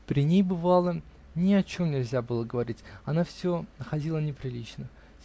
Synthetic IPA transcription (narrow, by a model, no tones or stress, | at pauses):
pɾʲɪnʲejbɨvalˠə | nʲɪɐt͡ɕo̞mnʲɪlʲzʲabɨlˠəɡəvɐɾʲitʲɐnafsʲonəxɐdʲilˠənʲɪpɾʲɪlʲit͡ɕnə